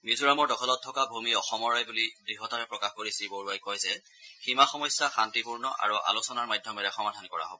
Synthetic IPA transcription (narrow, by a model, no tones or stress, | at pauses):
mizuɹamɔɹdɔkʰɔlɔtʰːɔkabʱumiɔxɔmɔɹajbulidɹiɦɔtaɹɛpɹɔkaxkoɹisiboɹuajkɔjzɛ | ximaxɔmɔjsjaxantipuɹnɔʔa̰ɹuʔa̰lusɔnaɹmajdʱjɔmɛɹɛxɔmadʱankɔɹa̰ɦɔbɔ